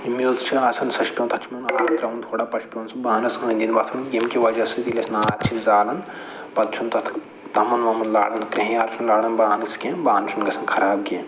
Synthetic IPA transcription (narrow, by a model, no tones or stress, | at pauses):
imilst͡ʃʰiaːsɐnsɐʃpʲõnt̪ʰɐt͡ʃʰmɐnaːɾɐnt̪ɾɐʋunt̪ʰoːɽapɐʃpʲownsɨbaːnɐsɐnʲd̪ʲinbɐt̪ʰunɡʲimkiʋɐd͡ʒɐsɨt̪ilʲɐsnaːɾt͡ʃʰizaːlɐn | pɐt̪t͡ʃʰunt̪ɐt̪ʰ | t̪ɐmɐnʋɐmunla̰ːɽɐnkɾiɦĩjaːɾt͡ʃʰunlaːɽɐnbaːnɐskẽːbaːnt͡ʃʰunɡɐsɐnkʰɐɾaːb̚ɡeːn